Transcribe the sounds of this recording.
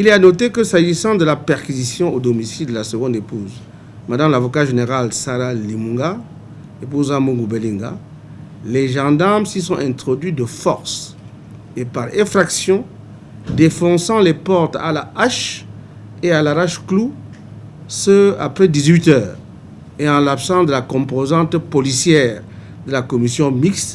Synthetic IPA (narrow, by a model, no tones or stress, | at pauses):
ilɛanɔt̪ekəsaʒisɑ̃d̪əlapɛʁkizisjɔ̃od̪ɔmisild̪əlasəɡɔ̃d̪epuz | mad̪ãmlavɔkaʒeneʁalsaʁalimũŋɡa | epuzãmũŋɡubelĩŋɡa̰ | leʒɑ̃d̪aʁmsisɔ̃ʔɛ̃t̪χɔd̪ɥid̪əfɔʁs | epaʁɛ̃fʁaksjɔ̃ | d̪efɔ̃sɑ̃lepɔʁt̪a̰laaʃ | ealaʁaʃklu | səa̰pχɛd̪izɥit̪œːʁ | eɑ̃lapsɑ̃d̪əlakɔ̃pozɑ̃t̪pɔlisjɛːʁ | d̪əlakɔmisjɔ̃mikst̪